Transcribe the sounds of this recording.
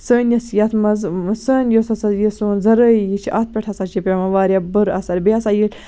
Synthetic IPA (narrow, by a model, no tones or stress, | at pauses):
səːnjɐsjɐt̪ʰmɐzsəːnjosɐsɐjisuːnzɐɾəːjijit͡ʃʰiʔɐt̪̚ʰpʲeʈʰɐsat͡ʃʰipʲɐmɐʋaːɾʲabɨɾɐsɐɾbeɐsaːjil